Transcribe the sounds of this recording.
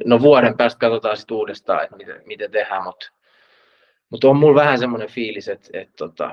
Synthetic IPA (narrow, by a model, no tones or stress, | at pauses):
noʋuɑɾempeæːˑst̪̚kɑt̪ot̪ɑːsit̪uːdest̪ɑ̰ːḛt̪mit̪ḛmit̪et̪ehæːmut̪ | mut̪ommulʋæhæsemːonefiːliset̪ḛt̪t̪ot̪ɑ̰